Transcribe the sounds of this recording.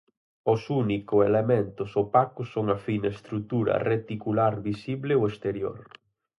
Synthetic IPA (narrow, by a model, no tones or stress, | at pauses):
ʊsunikʊelement̪ʊsopakʊsoŋɐfinɐest̪ɾut̪uɾɐ̰ret̪ikulaɾβisiβlɪoest̪eɾjo̰ɾ